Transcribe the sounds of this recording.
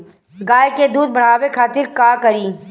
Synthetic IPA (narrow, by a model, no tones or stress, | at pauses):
ɡaːjked̪uːd̪̚bɐɽ̤aːʋekʰaːt̪ɪɾkaːkɐɾiː